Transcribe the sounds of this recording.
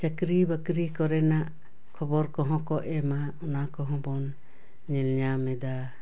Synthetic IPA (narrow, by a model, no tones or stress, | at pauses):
t͡ʃakɾibakɾikɔɾɛnaʔ | kʰɔbɔɾkɔɦɔ̃kɔʔɛmaɔnakɔɦɔ̃bɔn | ɲɛlɲamɛd̪a